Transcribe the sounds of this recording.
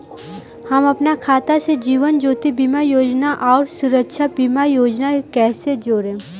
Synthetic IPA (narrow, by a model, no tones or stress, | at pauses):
həmɐpnakʰaːt̪ased͡ʒiːʋənd͡ʒoːt̪ibiːmajoːd͡ʒnaʔɔːɾsʊɾəkʃʰabimajoːd͡ʒnakɛːsed͡ʒoːɾẽː